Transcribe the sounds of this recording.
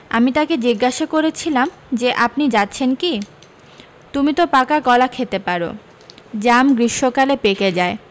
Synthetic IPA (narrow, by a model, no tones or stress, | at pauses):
amit̪aked͡ʑiɡːaʃakoɾet͡ɕʰilam | d͡ʑeʔap̚nid͡ʑatːɕʰenki | t̪umit̪opakakɔlakʰet̪epaɾo̰ | d͡ʑamɡɾiʃːokalepeked͡ʑae